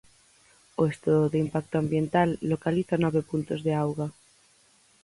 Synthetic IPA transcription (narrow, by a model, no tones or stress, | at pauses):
oest̪uðoðeimpak̚t̪oambjent̪alːokaliθanɔβepunt̪ozðeawɣa